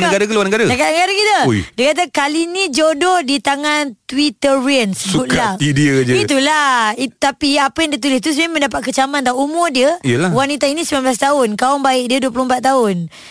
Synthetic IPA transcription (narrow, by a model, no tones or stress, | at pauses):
nəɡaɾakəluwanəɡaɾadakanəɡaɾakit̪əjdiəkat̪̬akalinid͡ʒodɔhdit̪aŋant̪wit̪əɾiənsəsbut̪laidiəkad͡ʒəit̪̬ulait̪apiapəjaŋdiət̪̬ulɪst̪us̬maməndapat̪̚kət͡ʃamant̪auʔumʊrdiəijəlawanit̪ainisəmanblas̬t̪aʊnkaɔŋbaɪʔdiəduəploəmpat̪t̪ːaʊn